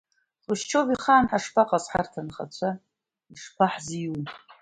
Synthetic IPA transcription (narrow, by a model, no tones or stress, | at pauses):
χɨʃt͡ʃʰoviχaːnħaʂpʰaqʼazħa̰rtʰanχa̰t͡ɕʷʰa | iʂpʰaħzijunʼ